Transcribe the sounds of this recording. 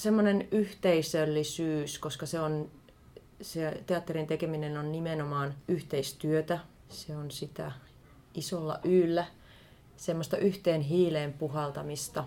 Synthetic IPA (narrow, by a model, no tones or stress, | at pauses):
semːonenyht̪eisølːisyːskoskɑseon | set̪eɑt̪ːerint̪ekeminenonnimenomɑːnyht̪eist̪yøt̪æ | seonsit̪æ̰ | ʔisolːɑ̰ʔyːlːæ | semːost̪ɑʔyht̪eːnɦiːleːmpuɦɑlt̪ɑmist̪ɑ